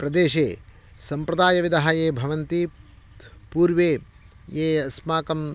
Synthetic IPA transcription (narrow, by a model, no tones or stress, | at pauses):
pɾɐd̪eːʃeː | sɐmpɾɐd̪aːjɐʋid̪ɐɦɐjeːbʱɐʋɐnt̪i | puːɾʋeː | jeːɐsmaːkɐm